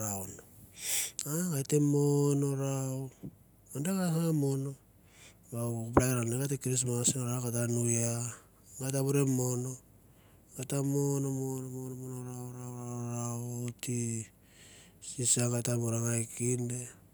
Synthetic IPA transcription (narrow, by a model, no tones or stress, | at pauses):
ɾaono | aɡajtemono̞ɾao | andaɡahamono̞ | bakup̬laɾaneɡatekiɾis̬masinoɾawkat̬anuja | ɡajtaβuɾemo̞no | ɡatamonomonomonomonoɾawɾawɾaaɾati | sisaɡatamoɾaŋajkinde